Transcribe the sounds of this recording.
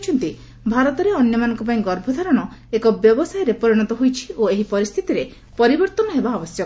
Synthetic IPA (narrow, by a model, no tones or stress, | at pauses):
t͡ʃʰɔnt̪i | bʱaɾɔt̪ɔɾeɔnjɔmanɔŋkɔp̬aĩɡɔɾbʱɔd̪ʱaɾɔɽ̃ɔekɔbjɔbɔsajɔɾepɔɾiɽ̃ɔt̪ɔɦujt͡ʃʰi̥oeɦipɔɾist̪ʰit̪iɾe | pɔɾibɔɾt̪ɔnɔɦebaːbɔsjɔ